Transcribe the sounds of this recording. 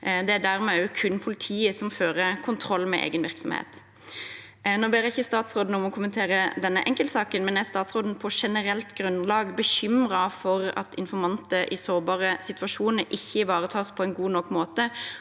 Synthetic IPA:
d̪ɛæd̪æɾmɛkʰʉnpʰʊlɪt̪ʰiːəsɔmføːɾəkʰʊnt̪ʰɾɔlːmɛ̰ʔḛːɡənʋɪɾksɔmhḛːt̪ | noːbeːɾɪçəst̪ɑːt̪sʁoːd̪n̩ɔmɔkʰʊmənt̪ʰeːɾəd̪ɛnːə̰ʔɛŋkəlt̪sɑːkənmɛnɛæst̪ɑːt̪sʁoːd̪n̩pʰɔʂɛnəɾɛlt̪ɡɾʉnlɑːɡbəçʏmɾɑfɔɾɑ̰t̪ʰɪ̰nfɔɾmɑnt̪əʔɪsoːbɑːɾəsɪt̪ʉɑʂuːnəɾʔɪçːəʋɑːɾət̪ʰɑːspʰɔɛnɡuːnɔkːmoːt̪ə

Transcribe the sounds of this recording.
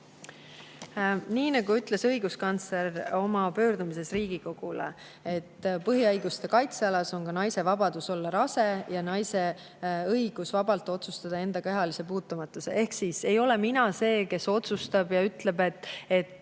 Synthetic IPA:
niːnɑɡuyt̪ˑle̞sɤ̞jɡ̥uskɑnt̪sleɾo̞mɑpø̞ːɾd̪umise̞sriːɡ̥iko̞ɡ̥ulḛ | e̞t̪ːpɤɦiɑjɡ̥ust̪e̞kɑjt̪seɑlɑso̞ŋkɑnɑjse̞vɑbɑd̪̥uso̞lːɑɾɑse̞jɑnɑjse̞ | ɤjɡ̥usvɑbɑlt̪ːˑo̞t̪sust̪ɑd̪̥ɑe̞nd̪ɑkeɦɑlise̞puːt̪ːˑumɑt̪ːˑuse̞̰ʔe̞hksise̞jo̞le̞minɑse̞ːke̞so̞t̪sust̪ɑb̥jɑyt̪le̞be̞t̪ːˑe̞t̪ː

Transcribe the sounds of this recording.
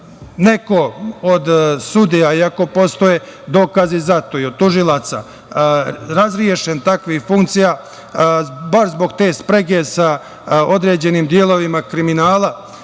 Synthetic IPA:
ne̞ko̞od̪sud̪ijaiako̞po̞st̪o̞je | d̪o̞ːkazizat̪o̞jod̪̚t̪ːuʒilˠat̪sa̰ | ɾazɾije̞ʃent̪akʋixfuŋkt̪sijaː | baɾzbo̞ɡt̪e̞ːspɾeɡe̞sa | o̞d̪ɾe̞ːd͡ʑe̞niːmd̪jelˠo̞ʋimakɾiminaːlˠa

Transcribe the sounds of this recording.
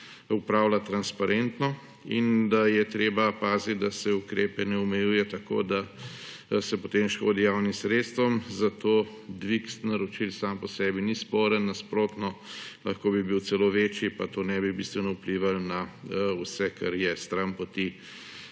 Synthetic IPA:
upɾawlat̪ɾanspaɾent̪nɔ | ind̪ajɛt̪ɾeːbapaːzit̪d̪asɛukɾeːpɛnɛumɛjuːjɛt̪ɐko̰ːd̪a | sɛpot̪emʃko̰ːd̪ijawnimsɾet̪st̪ʋɔmzat̪oː | d̪ʋiksnaɾot͡ʃilsampɔsɛbinispɔːɾənːaspɾoːt̪nɔlɐxkoːbibiwt͡ssɛloʋeːt͡ʃjipat̪onɛbibist̪ʋɛnɔupliːʋalnausɛka̰ɾjɛst̪ɾampot̪i

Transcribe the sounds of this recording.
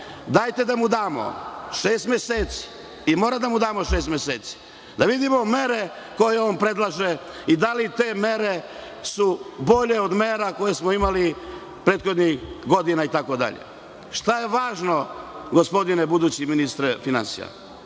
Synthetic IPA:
d̪ajt̪e̞d̪amud̪aːmo̰ʃeːst̪meseːt̪si̥ | imoːɾad̪amud̪aːmo̞ʃeːst̪mʲeseːt̪si̥ | d̪aʋid̪imo̞me̞ɾe̞ | ko̞jeoːnpɾe̞d̪lˠaʒe | id̪alit̪e̞ːmeɾe | subo̞ʎe̞od̪meːɾako̞je̞smoimali | pɾeːt̪xo̞d̪nixɡo̞d̪inait̪ako̞d̪a̰ʎḛ | ʃt̪aje̞ʋaːʒno̞ɡospo̞d̪inebud̪ut͡ɕiminist̪ɾfina̰nsḭja̰

